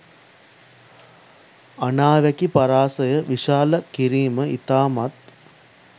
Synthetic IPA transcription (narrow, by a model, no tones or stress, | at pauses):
anaːʋækipaɾaːsəjəʋiʃaːləkiɾiːməit̪aːmat̪̚